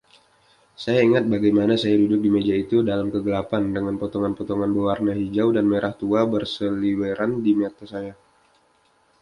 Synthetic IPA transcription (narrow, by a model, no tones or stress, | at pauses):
sajaiŋat̪̚baɡajmanasajadudʊk̚dimed͡ʒait̪udalamkəɡəlapandəŋanpot̪oŋanpot̪oŋanbəwarnaɦid͡ʒawdanmeɾʔaht̪uabərsəliweɾʔandimet̪asaja